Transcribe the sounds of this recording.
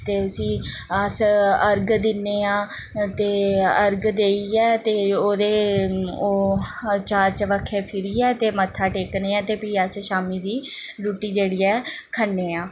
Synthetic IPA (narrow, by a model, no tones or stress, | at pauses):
t̪eːʊsĩː | əsəɾɡd̪ɪnːeːãː | t̪eːəɾɡd̪eːiːɛːt̪eːoːd̪eːoːt͡ʃaːɾt͡ʃəʋəkʰːeːpʰɪɾiːɛːt̪eːmət̪ʰːaːʈeːkneːãːt̪eːpiːəsʃaːmiːd̪iːɾuːʈiːd͡ʒeːɽiːɛːkʰənːeːãː